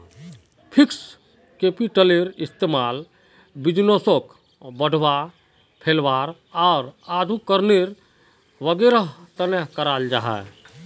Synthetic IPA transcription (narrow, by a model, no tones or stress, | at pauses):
pʰiks | kepiʈəleɾist̪emaːl | bid͡ʒnosok | bəɽ̤ʱʋa | pʰelʋaːɾ | ɔːɾaːd̪ʱukəɾneɾ | ʋəɡeɾəɦt̪əneɦkəɾaːld͡ʒa̰ːɦɛ̰